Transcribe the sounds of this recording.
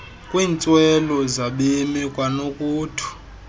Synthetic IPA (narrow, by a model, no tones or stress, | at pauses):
kʼwiːnt͡sʼwɛlɔzaɓemikʼwanokʼuːtʰu̥